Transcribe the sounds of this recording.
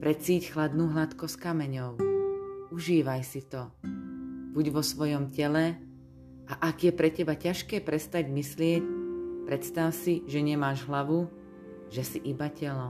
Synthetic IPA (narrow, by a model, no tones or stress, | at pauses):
pɾɛt͡siːcxlad̪nuːɦlat̪kɔskamɛɲɔʊ | uʒiːʋajsit̪ɔ | buɟʋɔsʋɔjɔmcɛlɛ | ʔaʔaɡjɛpɾɛcɛbacaʃkɛːpɾɛst̪aɟmislɪɛcpɾɛt̪st̪awsiʒɛɲɛmaːʒɦlaʋu | ʒɛsiʔibacɛlɔ